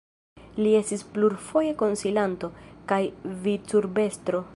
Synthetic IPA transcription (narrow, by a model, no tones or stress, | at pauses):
lie̞stispluɾfo̞je̞ko̞nsilanto̞kajvit͡suɾbe̞stɾo̞